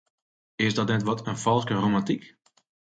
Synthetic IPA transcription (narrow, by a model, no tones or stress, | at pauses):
ɪsdɔtnɛtʋɔtʰənfɔlˠskəromɑ̃ntik